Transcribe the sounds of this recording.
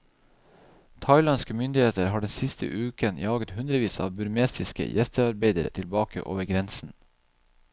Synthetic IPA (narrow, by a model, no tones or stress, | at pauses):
t̪ʰɑɪlɑnskəmʏnd̪ɪheːt̪əɾhɑːɖɛnsɪst̪ʰə̰ʔʉːkənjɑːɡət̪hʉnd̪ɾəʋiːsɑ̰ːʋbʉɾmeːst̪ɪskə̰jʔɛst̪əɑɾbeɪd̪əɾə̰t̪ʰɪlbɑːkə̰ʔo̰ːʋəɾɡɾɛnsn̩